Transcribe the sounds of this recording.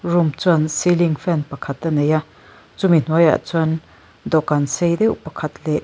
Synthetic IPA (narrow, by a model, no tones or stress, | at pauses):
rumt͡suɐnsiliŋfɛnpɐkʰɐt̪ɐneja | t͡sumin̥uəja̰ʔt͡sn | d̪ɔkansejd̪ɛwpɐkʰɐt̪lɛʔ